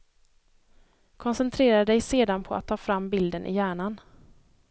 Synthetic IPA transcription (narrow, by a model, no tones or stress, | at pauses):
kʰɔnsɛnt̪ʰɾeːɾaəd̪ɛjseːd̪anpʰɔa̰t̪ʰːɑːfɾamːbɪld̪ənʔɪ̰jæːɳan